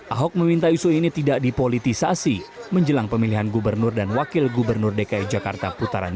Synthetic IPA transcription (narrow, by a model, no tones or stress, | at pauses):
ʔaɦɔk̚məmint̪ausuhinit̪idaʔdipolit̪isasiməɲd͡ʒəlaŋpəmiliɦanɡubərnʊrdanwakɪlɡubərnʊrdekaɛd͡ʒaka̰rt̪aput̪aɾa̰n